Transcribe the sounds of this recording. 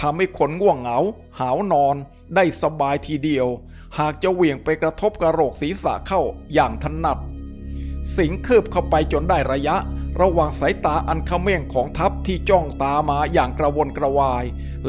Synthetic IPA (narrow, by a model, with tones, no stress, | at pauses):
t̪ʰa˧mha˥˩jkʰo˧nŋu˥˩əŋːa˩˦w | haː˩˦wnɔː˧n | daː˥˩jsa˧baː˧jt̪ʰiː˨˧˩di˧əw | haː˨˩k̚t͡ɕa˧wi˨˩əŋpa˧jkɾa˧t̪ʰo˦˥p̚kɾa˧ɾoː˨˩k̚siː˩˦sa̰˨˩˦kʰa˥˩wjaː˨˩ŋt̪ʰa˧na˨˩t̪̚ | si˩˦ŋkʰɤː˥˩p̚kʰa˥˩wpa˧jt͡ɕo˧ndaː˥˩jɾa˧ja˦˥ʔɾa˧waː˨˩ŋsa˩˦jt̪aː˧ʔa˧nkʰa˥˩wmɛ˥˩ŋkʰɔː˩˦ŋt̪ʰa˦˥p̚t̪ʰiː˥˩t͡ɕɔ˥˩ŋt̪aː˧maː˧jaː˨˩ŋkɾa˧wo˧nkɾa˧waː˧j